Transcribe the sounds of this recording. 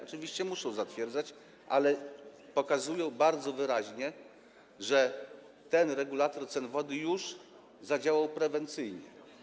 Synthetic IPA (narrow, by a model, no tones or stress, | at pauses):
ɔt͡ʂɘvʲiɕt͡ɕɛmuʂɔ̃w̃zat̪fʲjɛɾd̪zat͡ɕ | ʔa̰lɛpɔkazujɔ̃w̃baɾd̪zɔvɘɾaʑɲɛ | ʐɛ | t̪ɛnɾɛɡulat̪ɔɾt̪sɛnvɔd̪ɘjuʐ | zad͡ʑawawpɾɛvɛnt̪sɘjɲɛ̰